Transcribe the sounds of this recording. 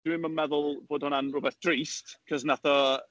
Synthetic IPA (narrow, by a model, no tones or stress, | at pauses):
wɪmənmɛðʊlˠboːd̥hʊnanrʊbɛθd̥riːstkʰɔsnatʰa